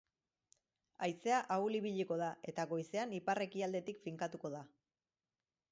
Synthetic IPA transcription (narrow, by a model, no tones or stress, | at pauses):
ajse̞aʔauliβ̞iʎiko̞ð̞ae̞t̪aɣo̞jse̞anipare̞kiald̪e̞t̪ikfiŋkat̪uko̞ða